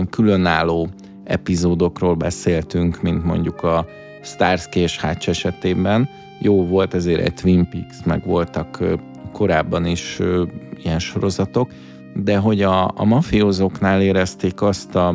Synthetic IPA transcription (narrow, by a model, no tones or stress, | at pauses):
ŋkylø̞naːlːoː | ɛ̰pizoːd̪o̞kroːlbɛ̰seːlt̪yŋkmint̪mo̞̰ɲɟukɒ | st̪aːrskeʃhaːt͡ʃːɛʃɛt̪eːbɛn | joːvo̞lt̪ɛzeːɾʔɛ̰ɟt̪ʋimpiksmɛ̰ɡʋo̞lt̪ɒkː | ko̞ɾaːbːɒniʃ | ijɛnʃo̞ɾo̞zɒt̪o̞k | d̪ɛɦo̞ɟɒ̰ːmɒfioːzo̞knaːleːɾɛst̪eːkɒst̪ɒ